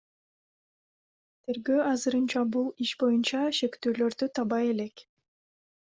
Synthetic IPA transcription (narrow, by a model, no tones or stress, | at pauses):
t̪ʰe̞ɾɡøːɑzɯɾɯnt͡ʃɑbulˠiʃbo̞junt͡ʃɑʃe̞kt̪yːlø̞ɾd̪yt̪ʰɑβɑje̞lek